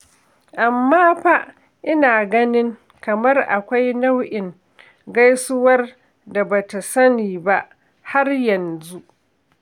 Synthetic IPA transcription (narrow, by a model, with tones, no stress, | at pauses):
ʔa˨mːaː˦ɸa˦ʔ | ʔɪ˦naː˨ɡɐ˦nɪ˦ŋ | kɐ˨mɐ˦rʔa̰˨kʷa˦jna˦wʔɪ˨ŋ | ɡa˦jsʊ˦wɐ˦r | da˨ba˨ta˨sɐ˦niː˨ba˦ʔ | ha˦rjɐ˨nzu˦ʔ